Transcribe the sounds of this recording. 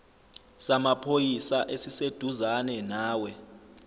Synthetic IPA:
samapʰojisaʔesised̥ʱuzanɛnaːwɛ

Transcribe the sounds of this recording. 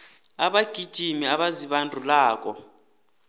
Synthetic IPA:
aɓaɡ̥ʱid̥ʒ̥ʱimiaɓaziɓandʱulaːk̬ʼɔ̰

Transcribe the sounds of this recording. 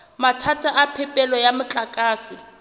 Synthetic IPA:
matʰatʰʼaʔapʰɛpʼɛlɔjamɪt͡ɬʼakʼaːsɪ

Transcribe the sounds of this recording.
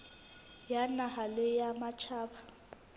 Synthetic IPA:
janahalɪjamat͡ʃʰaːba

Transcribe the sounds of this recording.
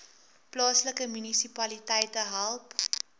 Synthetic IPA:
plɑːsləkəmynisipɐlitɛjtəɦælˠp

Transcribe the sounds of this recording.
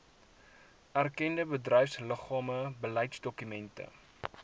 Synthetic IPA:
ærkɛndəbədrœjfsləχɑːməbəlɛjtsdɔkymɛntə̰

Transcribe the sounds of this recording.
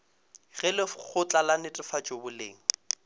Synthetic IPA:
ɣɛlɪχʊt͡ɬʼalanɪtʼɪfat͡ʃʼobʊlḛːŋ̩

